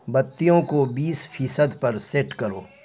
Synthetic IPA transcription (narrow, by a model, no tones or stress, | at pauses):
bɐt̪ːijõkobiːsfʰiːsəd̪pɐɾseːʈkɐɾoː